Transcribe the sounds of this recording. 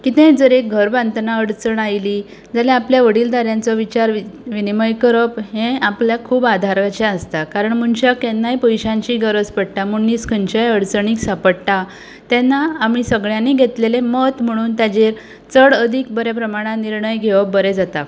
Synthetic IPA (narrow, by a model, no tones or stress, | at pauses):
kit̪ẽd͡zəɾek̚ɡʱəɾbãnt̪naəɽt͡səɳajli | d͡zaleapljaʋəɽiːld̪ʱaɾjant͡sɔʋit͡ɕaɾʋʋiniməjkəɾəpɦẽapljakʰuːbad̪ʱaɾkat͡ɕeəst̪akaɾəɳm̤uɳɕakɛ̃nːajpojɕãɲt͡ɕiːɡəɾəd͡zpəɽʈ̪amunːiːskʰənt͡ɕajəɽt͡səɳ̃iːksapəɽt̪a | t̪ɛnːaːm̤iːsəɡɭjãnːiɡʱet̪lelemət̪m̤əɽ̃uːnt̪jad͡ʑeɾ | t͡səɽəd̪ʱik̚bəɾepɾəmaɽ̃ãniɾɳəjɡʱeʋəbəɾed͡zat̪a